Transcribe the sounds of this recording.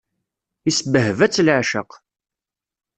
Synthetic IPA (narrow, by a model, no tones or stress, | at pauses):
isbəɦvæt͡sːlʕʃə̰q